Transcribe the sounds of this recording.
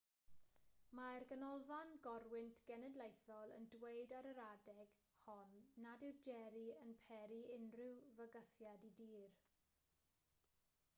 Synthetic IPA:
marɡənɔlˠvanɡɔrwɪntʰɡ̥ɛnɛdlˠejθɔlˠə̰ndweɨdaɾəɾadɛɡ̥ | hɔnːadɪwd͡ʒɛɾiənpʰɛɾiɪnrɪwvəɡəθjadidiːr

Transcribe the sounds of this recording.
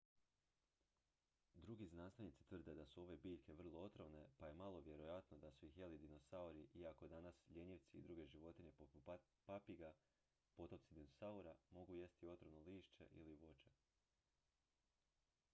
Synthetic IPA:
d̪ɾuɡiznaːst̪ajnit̪si̥t̪ʋr̩d̪ed̪asuo̞ʋe̞biːʎʲkʰe̞ʋr̩lˠoot̪ɾo̞ne̞paje̞malˠo̞ʋje̞ɾo̞jat̪no̞d̪asuixjelid̪ino̞sauɾiʔiako̞d̪anasʎe̞ɲiʋt̪siːd̪ɾuːɡe̞ʒiʋo̞t̪iɲe̞popu | papiɡa | po̞t̪o̞pt̪sid̪inosauɾamo̞ɡuje̞st̪io̞t̪ɾonoliːʃt͡ʃe̞̰ʔḭliʋo̞t͡ʃe̥

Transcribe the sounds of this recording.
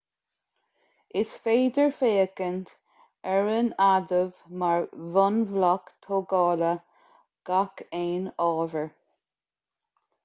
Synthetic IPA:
ɪsfeːd̪əɹfeːəkənt̪ | ɛɹənad̪əvmaɹvɔnvlakt̪ʰoɡɑːlə | ɡ̥akeːnɑːvəɹ

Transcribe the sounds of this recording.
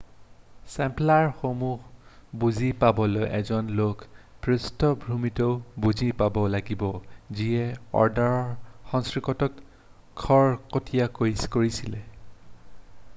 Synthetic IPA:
sɛmplaɹxomuhbuzipabɔlojʔɛ̰zɔnlokpɹustɔbʱɹumitɔʊbuzipabɔlaɡibɔziɛɔ̰ɹdaɹɔɹxɔŋskɹikɔtɔt | kʰːɔɹkotʰijakojskoɹisilɛ

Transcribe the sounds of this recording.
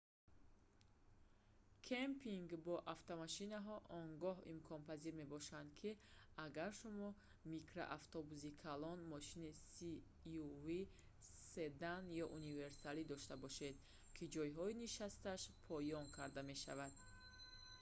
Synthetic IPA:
kʰempʰiŋɡbɔʔaft̪ʰamaʃinaɦɔʔɔŋɡɔɦḭmkʰɔnpʰaziɾme̞bɔʃand̪kʰiaɡaɾʃumɔ | mikɾa̰ʔaft̪ʰɔbuzikʰalɔnmɔʃinisi | uvi | sed̪anjɔʔunive̞ɾsalid̪ɔʃt̪abɔʃe̞d̪ | kʰid͡ʒɔjɦɔiniʃast̪aʃpʰɔjɔŋkʰaɾd̪ame̞ʃa̰vad̪

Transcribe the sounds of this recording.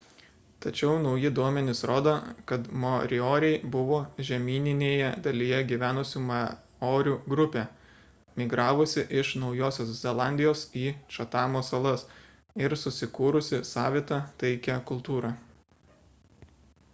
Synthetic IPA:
t̪ɐt͡ʃʲɛʊnɒʊjɪd̪uɔmʲɛnʲɪsɾoːd̪oːkɐt̪moɾʲɪoːɾʲɛɪbʊʋoːʒʲɛmʲiːnʲɪnʲeːjɛd̪ɐlʲijɛɡʲiʋʲæːnʊsʲuːmɐ | oːɾʲuːɡɾʊpʲeː | mʲɪɡɾɑːʋʊsʲɪʔɪʃnɒʊjoːsʲoːszʲɛlˠɑˑnʲd̪ʲɪjoːsiːʃɐt̪ɑːmoːsɐlˠɐs | ɪɾsʊsʲɪkuːɾʊsʲɪsɑːʋʲiːt̪ɐt̪ɐɪkʲæːkʊlˠt̪uːɾɑː

